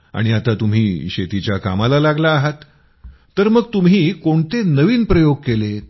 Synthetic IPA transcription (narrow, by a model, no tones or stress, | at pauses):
a̰ɽ̃iat̪at̪um̤iːɕet̪it͡ɕjaka̰malalaɡlaːɦat̪ː | əɾməɡ̚t̪um̤ɦiːkoɳt̪enəʋiːnpɾəjoɡ̚kele